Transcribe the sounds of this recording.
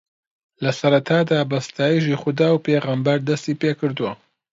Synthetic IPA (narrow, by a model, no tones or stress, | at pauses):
lɐsɐɾɐt̪ʰaːd̪aːbɐst̪ʰaːjiʒiːxʊd̪aːwpeːɣambɐɾd̪ɐst̪iːpeːkɨɾd̪uwɐ